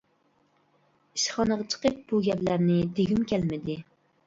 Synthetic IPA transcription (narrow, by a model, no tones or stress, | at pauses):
iʃχɑnəʁɑt͡ʃʰə̥qəp̚buɡʲɛplæɾnɪd̪eɡʲimkʲʰælmɪd̪ɪ